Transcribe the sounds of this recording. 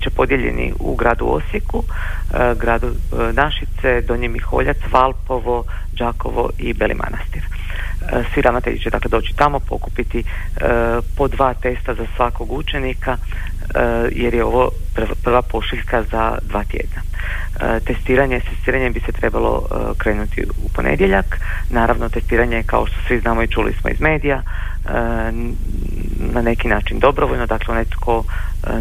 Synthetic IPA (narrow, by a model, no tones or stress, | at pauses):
bit͡ɕepo̞d̪jeʎe̞̰nḭṵɡɾaːd̪uo̰siku | ɡɾaːd̪unaʃit̪se̞d̪o̞ɲemixo̞̰ʎat̪sʋalˠpo̞ʋo̞d͡ʒaːko̞̰ʋo̰ʔibe̞lʔḭmʔa̰nast̪iɾ | sʋid̪amnat̪eʎḭt͡ʃed̪aːkle̞d̪o̞ːt͡ɕi̥t̪amo̞po̞̰kupit̪i | po̞d̪ʋaːt̪e̞st̪azasʋako̞ɡut͡ʃe̞nika | jeɾjeo̞ʋo | ppr̩ʋapo̞ʃiʎkazad̪ʋaːt̪jḛd̪na | t̪e̞st̪iːɾaɲest̪est̪iːɾaɲebise̞t̪ɾe̞balˠo̞̰ | kɾe̞ːnut̪ḭ | upo̞nḛd̪je̞ʎak | naːɾaʋnot̪e̞st̪iːɾaɲeka̰o̞ʃt̪o̞̥sʋiznaːmoit͡ʃulḭsmo̞̰ḭzme̞ːd̪ija | nane̞kinaːt͡ʃind̪o̞bɾoʋoʎnod̪aːkleonajt̪kʰo̞